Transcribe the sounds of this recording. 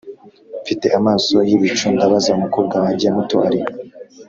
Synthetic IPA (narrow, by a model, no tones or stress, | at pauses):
fite̞ʔamaːso̞jiβit͡ʃuːndaβazaumukub̚ɡawaɟiamutoaɾi